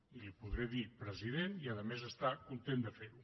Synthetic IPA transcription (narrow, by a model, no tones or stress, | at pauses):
ilipuðɾeðipɾəziðeniəðəmezəst̪akunt̪end̪əfeɾu